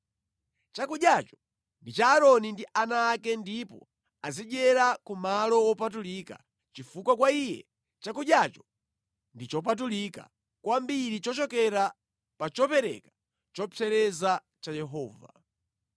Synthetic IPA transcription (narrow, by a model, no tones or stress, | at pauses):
t͡ʃakuɗjat͡ʃɔ̥ | ndit͡ʃaːɾɔnindiʔanaːkɛndipɔ̰ | aziɗɛɾakumalɔwɔpat̬ulika̰ | t͡ʃifukwakwaijɛ̰ | t͡ʃakuɗjat͡ʃɔ̥ | ndit͡ʃɔp̬at̬ulika̰ | kwambiɾit͡ʃɔt͡ʃɔkɛɾa | pat͡ʃɔpɛɾɛ̰kḁ | t͡ʃɔt͡sʰɛɾɛza | t͡ʃajɛɦɔːva̰